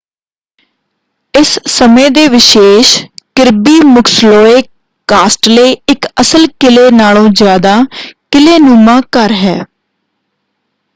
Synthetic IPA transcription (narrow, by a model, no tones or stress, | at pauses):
ɪssəmẽːd̪eːʋɪʃeːʃkɪɾbiːmʊkʰsloːeː | kaːsʈləiɪkəsəlkɪleːnaːlõːzjaːd̪aːkɪleːnũːmãːkəɾɦɛː